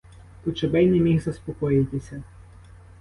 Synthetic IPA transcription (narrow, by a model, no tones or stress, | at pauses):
t̪ɔt͡ʃebɛjnemʲixzɐspɔkɔjɪwt̪ɪsʲɐ